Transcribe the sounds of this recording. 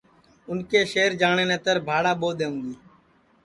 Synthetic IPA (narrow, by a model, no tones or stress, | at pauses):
ʊnkeːʃeːɾd͡ʒaːɳeːnẽːt̪əɾbʱaːɽaːɓoːd̪eːũːɡiː